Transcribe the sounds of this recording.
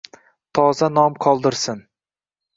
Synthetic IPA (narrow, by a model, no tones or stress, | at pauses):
t̪ʰɒzanɒmqʰɒlˠd̪ɪɾsɪn